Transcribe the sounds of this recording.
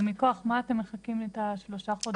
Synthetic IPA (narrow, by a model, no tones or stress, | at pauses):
miko̞aχmaːte̞mːeχakimet̪aʃloʃaχod